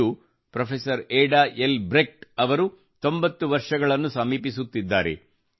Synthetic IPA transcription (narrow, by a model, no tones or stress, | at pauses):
u | pɾɐpʰesɐɾeːɖaːʔelbɾek̚ʈɐʋɐɾu | t̪o̞mbɐt̪ːuʋɐɾʂɐɡɐɭɐnːusɐmiːpisut̪ːid̪ːaːɾe̞̰